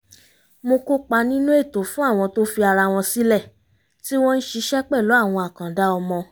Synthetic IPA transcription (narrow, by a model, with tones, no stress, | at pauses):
mo˧ko˦k͡pa˧nĩ˦nũ˦e˦˨to˨˦fũ˦a˦˨w̃ɔ̃˧to˦fi˧a˧ɾa˧w̃ɔ̃˧si˦lɛ˦˨ | ti˦w̃ɔ̃˦n̩˦ʃi˧ʃɛ˦k͡pɛ˦˨lo˨˦a˦˨w̃ɔ̃˧a˨kã˨da˦ɔ˧mɔ̃˧